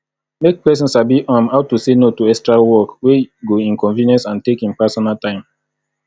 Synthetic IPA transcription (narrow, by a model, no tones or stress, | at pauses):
mek̚pɛs̬ĩnsabiʔãmhaʊtusenotuɛkstɹawɔkweɡoĩnkɔ̃nvĩnɛ̃nsãntekĩmpɛsɔnaltãɪ̃m